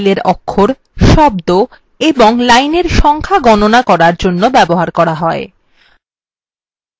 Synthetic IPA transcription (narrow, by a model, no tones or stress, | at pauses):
leɾɔkʰːoɾ | ʃɔb̚d̪o | eboŋlajneɾʃɔŋkʰaɡɔnonakɔɾaɾd͡ʑonːobɛboɦaɾkɔɾaɦɔe